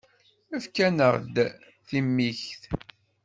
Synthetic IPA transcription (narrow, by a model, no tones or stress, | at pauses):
æfkænəʁd̪ | θimːiçθ